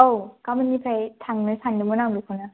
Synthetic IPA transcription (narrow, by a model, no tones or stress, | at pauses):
owkamɯnːipʰajtʰaŋnɯsʰandɯmɯnaŋdɯkʰuna